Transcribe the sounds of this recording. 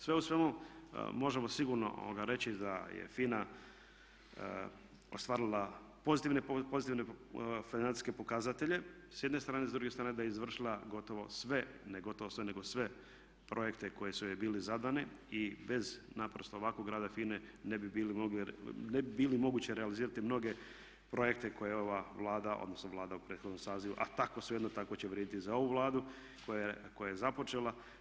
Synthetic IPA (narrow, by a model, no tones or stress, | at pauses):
sʋeusʋe̞mṵmo̞ʒemo̞siɡuɾno̰ʔo̰ɡaɾe̞t͡ɕid̪ajḛfina | o̰st̪ʋaːɾilˠa | pozit̪iʋnepozit̪iʋnefinansi̥ske̞po̞kaːzat̪e̞ʎe̞ | sje̞d̪nest̪ɾaːnezd̪ɾuɡest̪ɾaːned̪ajizʋr̩ʃilˠaɡo̞t̪o̞ʋo̞sʋeneɡo̞t̪oʋosʋeneɡo̞sʋe̞ | pɾʔo̞jekt̪e̞ko̞jesuebiːlizad̪ane | ibe̞znapɾost̪oːʋakoɡɾaːd̪afiːnenebibiːlimoɡlnebibiːlimo̞ɡuːt͡ɕeɾealiziːɾat̪imno̞ɡe̞ | pɾo̞je̞k̚t̪eko̞jeo̞ʋaʋlˠaːd̪ao̰d̪nosnoʋlˠaːd̪aupɾet̪xo̞d̪no̞msaːziʋuʔat̪ako̞sujed̪not̪akot͡ɕeʋɾʲjed̪it̪izao̞ʋuʋlˠaːd̪u | kojako̞jajezapo̞t͡ʃe̞lˠa